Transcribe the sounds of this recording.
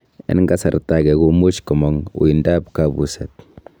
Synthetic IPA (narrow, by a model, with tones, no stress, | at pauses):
ɛ̰˦nŋɡa˦sa̰˨ɾta˨kɛ˨ko˦mo˦t͡ʃkɔ˨mɔ˨ŋṵ˨i˨nda˦pkabu˨sɛt̚